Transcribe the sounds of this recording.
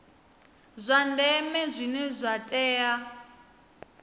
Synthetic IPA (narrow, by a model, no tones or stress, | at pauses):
zʷandɛmɛzʷinɛzʷatʼɛːja